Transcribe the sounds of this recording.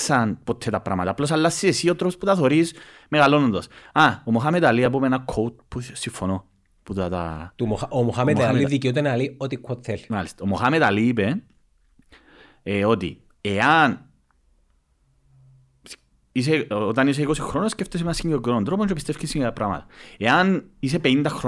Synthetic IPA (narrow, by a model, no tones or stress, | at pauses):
sɐnpot̪ʰːet̪ɐpɾʔamɐt̪aːplos̬alːasːiesiot̪ɾoposput̪ɐθoɾis | meɣalonond̪ɐsaomoxamet̪aliap̬omenɐkʰowt̪̚pusiɱfːono | put̪ɐt̪a̰t̪umoxaomoxamemaliðikeot̪̬enaliot̪ikʷʰːot̪θelmalist̪omoxamet̪aliːpe | eo̞t̪ḭ | eɐn | s | is̬eot̪ɐnis̬eiko̞sixɾo̞nosceft̪osimenɐsiɲɡɾoɡioɐnd̪ɾopoɲt͡ʃopist̪e̞fcisiŋɐpɾɐmɐ̰t̪ɐ̥e̞ɐnis̬e̞penind̪ɐxɾo